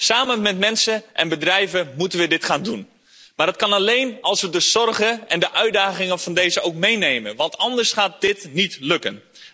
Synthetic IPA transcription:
saːmənmɛtmɛnsəʔɛ̰nbədrɛjvəmutənʋədɪtχaːndun | maːrdət̚kɑnɑlejnɑlˠsʋədəz̥ɔrɣəɛndəʔœɥt̚daːχɪŋənv̥ɑndejzəowkmejnejmənʋɑntɑndəɹsχaːt̚dɪtnitlɵkən

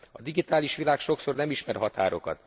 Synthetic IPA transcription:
ɒd̪iɡit̪aːliʃʋilaːkʃo̞kso̞rnɛmiʃmɛrɦɒt̪a̰ːɾo̞kɒ̰t̪

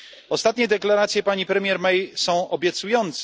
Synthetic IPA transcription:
ɔst̪at̪̚ɲɛd̪ɛklaɾat̪sjɛpaɲipɾɛmʲjɛɾmɛjsɔ̃w̃ɔbʲjɛt̪sujɔnt̪s

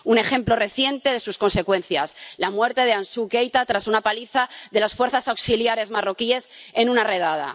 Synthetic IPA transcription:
une̞xe̞mplo̞re̞θje̞nt̪e̞ð̞e̞susko̞nse̞kwe̞nθjaslamwe̞ɾt̪e̞ðeansuke̞jt̪at̪ɾasunapaliθaðe̞lasfwe̞ɾθasawksiljaɾe̞zmaro̞kie̞se̞nũnare̞ð̞að̞a̰

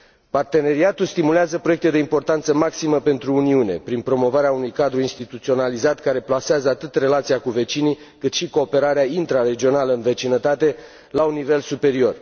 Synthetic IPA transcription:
part̪e̞ne̞ɾiat̪ulst̪imuleazəpɾo̞jekt̪ed̪e̞impo̞rt̪ant̪səmaksiməpe̞nt̪ɾuːniune̞̰pɾinpɾo̞mo̞vaɾeaunujkad̪ɾuinst̪it̪ut̪sio̞nalizat̪kaɾe̞plaseazəat̪ɨt̪re̞lat̪siakuve̞t͡ʃini | kɨt̪ʃiko̞ːpe̞ɾaɾeaint̪ɾare̞d͡ʒio̞naləɨnve̞t͡ʃinət̪at̪e̞ | launːivelsupe̞ɾio̞r

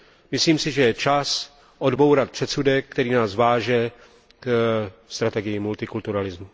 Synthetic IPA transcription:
mɪsliːmsɪʒɛjɛt͡ʃas | ʔo̞dbo̞wɾat̪pr̝̥ɛt̪sudɛkkːt̪ɛɾiːnaːzvaːʒɛ | kst̪ɾat̪ɛɡɪjɪmult̪ɪkult̪uɾalɪzmu

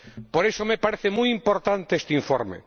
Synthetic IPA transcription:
poɾesomepaɾeθemujimpoɾt̪ant̪eest̪eiɱfoɾmḛ

